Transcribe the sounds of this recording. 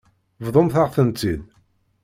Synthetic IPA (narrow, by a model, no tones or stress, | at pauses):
vðˤʊmθaʁθənt͡sːið